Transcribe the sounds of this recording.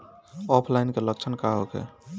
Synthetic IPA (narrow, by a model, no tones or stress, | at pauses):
ɔpʰlainkelək̚t͡ʃʰənkaɦokḛ